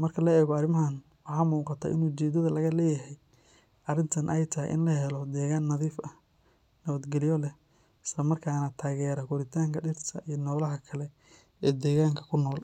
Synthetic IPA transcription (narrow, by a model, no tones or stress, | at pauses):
mɐrkʰɐlɐɛːɣɔɑrɪmɐɦɐn | wɑħaːmuːqɑt̪ʰɐ̰ːʔɪ̰nuːt͡ʃɛːd̪ɐðɐlɐɣɐlɛːjɐɦɛj | ʔɐrɪnt̪ʰɐnʔɛjt̪ʰɐɦɛ̰jʔɪ̰nlɐhɛlɔd̪ɛːɣaːnːɐðiːfɐ | nɐβɐd̪ɡɛlɪjɔlɛh | ɪslɐmɐrkʰaːnɐt̪ʰaːɣɛːɾɐɡʊɾɪt̪ʰaːŋkʰɐɖɪrt̪ʰɐʔijɔnɔːlɐɦɐkʰɐlɛ | ɛːd̪ɛːɣaːŋkʰɐ̥kʰʊnɔːl